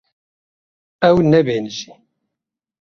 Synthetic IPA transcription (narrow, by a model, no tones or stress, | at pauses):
ɛwnɛbeːnʒi